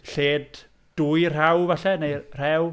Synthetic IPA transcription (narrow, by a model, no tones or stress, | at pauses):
ɬeːd | d̥ujr̥awvaɬɛnejr̥ɛw